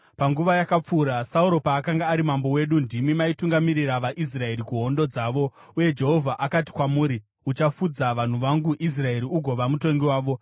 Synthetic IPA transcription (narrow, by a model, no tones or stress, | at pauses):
paŋɡuʋajakap͡fuːɾasauɾo̞paːkaŋɡaːɾimambo̞we̞ɗundimimaituŋɡamiɾiraʋaʔis̬rae̞ɾikuɦo̞ndo̞d͡zaːʋo̞ | uje̞d͡ʒe̞ɦo̞vʱaʔakat̬i̥kwamuːɾi | ut͡ʃafud͡zaʋan̤uʋaŋɡuʔis̬rae̞ɾiuɡʱo̞ʋamuto̞ŋɡiwaːʋo̞